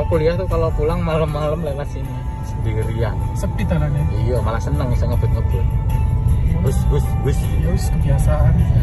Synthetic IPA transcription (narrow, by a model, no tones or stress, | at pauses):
akuliat̪ukalopulaŋmaləmːaləmlamasini | səndiɾia̰nsəpit̪ananɛijamalasənəŋusaŋəb̥ʊt̪̚ŋəb̥ʊt̪̚ | ʊsɡʊsɡʊsjaskəbiasaːn